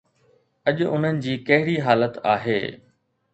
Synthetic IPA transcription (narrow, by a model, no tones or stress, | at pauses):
ɐʄʊʊn̤ənɪ̆d͡ʑiːkɐɦɪɽiɦaːlət̪a̰ːɦḛː